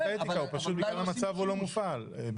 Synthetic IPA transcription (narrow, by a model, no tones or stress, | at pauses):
et̪ikaupaʃut̪biɡlalamat͡savulo̞mufalb